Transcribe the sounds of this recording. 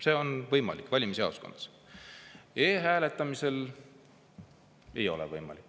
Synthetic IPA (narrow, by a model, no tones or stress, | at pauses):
se̞ːo̞nvɤjmɑ̰likːˑvɑlʲimisɑ̰oskond̪̥ɑ̥s | eːɦæːle̞t̪ːˑɑmise̞l | e̞jo̞̰lɛ̰vɤjmɑ̰likːˑ